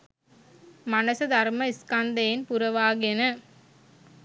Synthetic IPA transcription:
mɐnɐsɐd̪ʱɐrmɐɪskɐnd̪ɐjɪnpʊɾɐʋaːɡenɐ

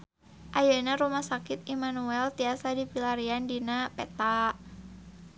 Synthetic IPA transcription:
ʔajanaɾumahsakɪt̪imanuɛlt̪iasadipilaɾiandinapɛt̪aʔ

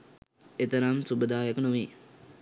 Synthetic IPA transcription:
et̪əɾamsubəd̪aːjəkənuʋiː

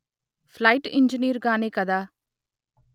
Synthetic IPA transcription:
fʰlajʈiɲd͡ʒəniːɾɡaːnikɐd̪aː

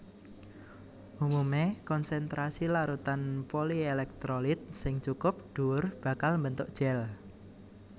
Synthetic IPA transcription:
ʔumumekɔnsɛnt̪ɾasilaɾut̪anpolielɛk̚t̪ɾolɪt̪̚sɪŋt͡ʃukʊp̚ɖ̥ṳʊrb̥a̤kalmbənt̪ʊʔ̚d̥ʒ̥ɛl

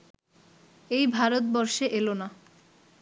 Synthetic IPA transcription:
ejbʱaɾot̪̚bɔɾʃeʔelona

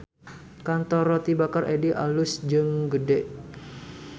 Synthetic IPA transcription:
kant̪ɔrɔt̪ibakarʔediʔa̰lʊsd͡ʒɨŋɡədɛʔ

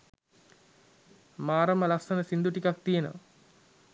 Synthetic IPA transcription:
maːɾəməlasənəsind̪uʈikak̚t̪ijenə̰

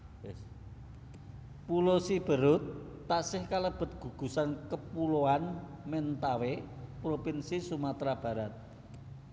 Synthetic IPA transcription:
pulosib̥ə̤ɾʊt̪̚ː | aʔsɪhkaləb̥ə̤t̪̚ɡ̥ṳɡ̥ṳsankəpuloanment̪awepɾopinsisumat̪ɾab̥ä̤ɾat̪̚

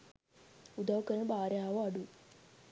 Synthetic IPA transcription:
ud̪ʱaʋkəɾəɳbaɾeaʋoaɽu

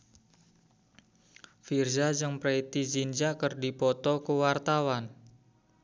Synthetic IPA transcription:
firzad͡ʒɨŋpɾet̪id͡ʒind͡ʒakərdipɔt̪ɔkəwart̪awan

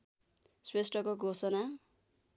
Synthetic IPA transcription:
swesʈʌkoɡʱosʌna

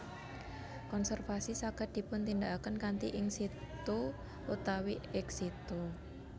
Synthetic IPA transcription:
kɔnsɛrfasisakəd̪̥i̤pʊnt̪indaʔakənkant̪iʔɪŋsit̪o | ut̪awiɛksit̪o

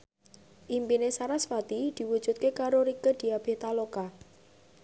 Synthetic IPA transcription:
ʔimpinesaɾasfat̪id̪̥i̤wud̥ʒ̥ṳt̪̚kekaɾoɾikəd̪̥i̤ab̥e̤ht̪aloka

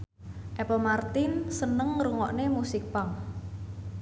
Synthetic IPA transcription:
ʔɛpəmart̪ɪnsənəŋɾuŋɔʔnemusɪk̚paŋ

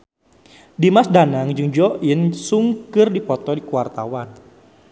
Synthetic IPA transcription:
dimasdanaŋd͡ʒɨŋd͡ʒɔʔinsuŋkɨrdipɔt̪ɔdikuwart̪a̰wan

